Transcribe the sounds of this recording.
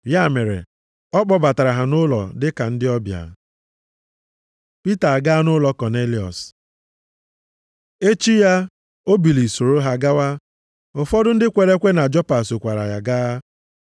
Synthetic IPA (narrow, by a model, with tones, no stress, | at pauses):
ja˦˨me˨ɾḛ˨ | ɔ˦k͡pɔ˦ba˨ta˨ɾa˨ɦa˨nʊ˦lɔ̰˨dɪ˦ka˨n̩˦dɪ˦ɔ˦bja̰˨ | pi˦ta˨a˨ɡa˦a˦nʊ˦lɔ˦kɔ˨ne˦li˨ɔ̰˨s | e˦t͡ʃi˦ja˦ | o˦bi˨li˨so˨ɾo˦ɦa˦ɡa˦wa˦ | ʊ˨fɔ˦dʊ˦n̩˦dɪ˦kʷe˨ɾe˦kʷe˦na˨d͡ʒɔ˦pa˨so˨kʷa˨ɾa˨ja˨ɡaː˦